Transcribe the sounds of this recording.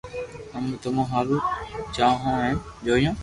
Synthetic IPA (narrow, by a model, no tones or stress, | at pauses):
əmt̪əmũːɦaːluːt͡ʃaːɦõːɛ̃ːd͡ʒoːjõː